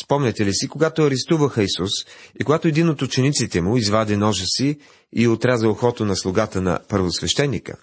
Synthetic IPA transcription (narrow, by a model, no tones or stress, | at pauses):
spɔmnʲɛt̪ɛlisikoɡat̪oɐɾɛst̪uvəxəisusikoɡat̪oɛd̪inot̪ut͡ʃɛnit̪sit̪ɛmʊizvad̪ɛnɔʒəsi | iot̪ɾazɐlxɔt̪onɐslˠʊɡat̪ənɐ̰pəɾvosvɛʃt̪ɛnːikə̰